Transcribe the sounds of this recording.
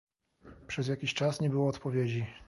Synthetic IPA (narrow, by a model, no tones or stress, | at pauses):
pʂɛzjakʲiɕt͡ʂasɲɛbɘwɔːt̪pɔvʲjed͡ʑi